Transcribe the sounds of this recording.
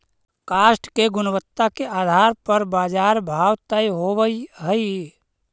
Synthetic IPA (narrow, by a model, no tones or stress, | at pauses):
kaːsʈkeɡʊnəwət̪ːakeʔaːd̪ʱaːɾpəɾbaːd͡ʒaːɾbʱaːwt̪ajɦobəiɦəi